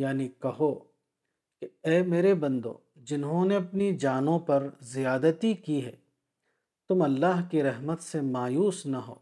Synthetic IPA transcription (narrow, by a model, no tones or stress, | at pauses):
jaːnikɐɦo | keɛːmeːɾebɐ̃nd̪õ̰ː | d͡ʒɪnɦõneɐpnid͡ʒaːnõpɐɾzijaːd̪ət̪ikiɦɛ̰ː | t̪ʊmɐlːaːɦkiɾɐɦmət̪semaːjuːsnɐɦo̰ː